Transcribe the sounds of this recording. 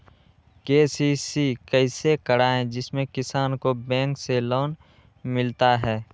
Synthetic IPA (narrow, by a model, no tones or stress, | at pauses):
keːsiːsikɛɪsekəɽaːẽd͡ʒɪsmẽkɪsaːnkobɛ̃ːŋkseloːn | mɪlt̪aɦɛː